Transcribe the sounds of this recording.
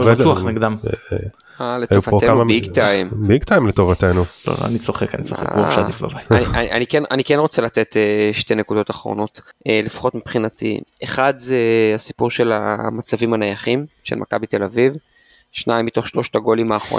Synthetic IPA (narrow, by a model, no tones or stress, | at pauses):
vduaχneɡdam | aletajouvatok̪eaumabiɡt̪ajmbiɡt̪ajmlet̪ovat̪enulo̰lo̰a̰nit͡soχekanisoχḛkoʃaifbabajtnianʔanikenanikenʁo̞t͡selat̪e̞t̪eʃte̞ne̞kudo̞taχʁo̞̰no̞tʔelefḁχo̞t̪mepχinatḭeχadzeasipuʁʃe̞la̰mat͡savimanajaχimʃe̞lmʔa̰kabite̞laviv | ʃnaimːito̞χʃlo̞ʃtaɡo̞limaːχʁo̰